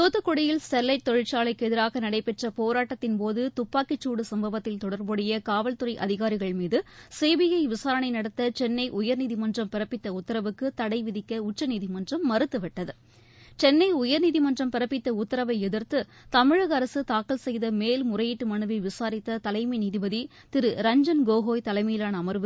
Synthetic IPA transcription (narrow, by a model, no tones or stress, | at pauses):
t̪oːt̪ːɯkːɔɽɪjɪlsɛlːɐɪʈ̚t̪ɔɻɪʈt͡ʃaːlɐɪkːɛðɪɾaːɣɐnɐɽɐɪpɛʈrɐpoːɾaːʈːɐt̪ːɪnpoːðɯt̪ʊpːaːkɪt͡ʃːuːɽɯsɐmbɐʋɐt̪ːɪlt̪ɔɽɐɾboɽɐjɐkaːʋɐlt̪ɯrɐɪʔɐðɪɣaːɾɪɣɐɭmiːðɯseːʋɪjɐɪʋɪsaːɾɐɳɐɪnɐɽɐt̪ːɐt͡ʃɛnːɐɪʔʊjɐɾniːðɪmɐndrɐmpɪɾɐpːɪt̪ːɐʊt̪ːɐɾɐʋɯkːɯt̪ɐɽɐɪʋɪðɪkːɐʊt͡ʃːɐniːðɪmɐndrɐmːɐɾɯt̪ːɯʋɪʈːɐðɯ | t͡ʃɛnːɐɪʊjɐɾniːðɪmɐndrɐmpɪɾɐpːɪt̪ːɐʊt̪ːɐɾɐʋɐɪɛðɪɾt̪ɯ | t̪ɐmɪɻɯɣɐɾɐsɯt̪aːkːɐlsɛjðɐmeːlmʊrɐjɪʈːɯmɐɳɯʋɐʋɪsaːɾɪt̪ːɐt̪ɐlɐɪmɐɪniːðɪbɐði | t̪ɪɾɯɾɐɲd͡ʒɐnɡoːɣoːjt̪ɐlɐɪmijɪlaːnɐːmɐɾʋɯ